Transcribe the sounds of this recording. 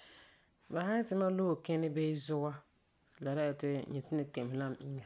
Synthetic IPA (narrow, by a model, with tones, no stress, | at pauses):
ba˨ha˦tɪ˦ma˦lo˦˨kɛ˦nɪ˦be˦zʊ˦ɡa˦ | la˨ɾa˦ɪ˨tɪ˦ɲɛ˨tɪ˦nɪ˦k͡pe˨m˨la˦˨m˦˨i˦ŋa˨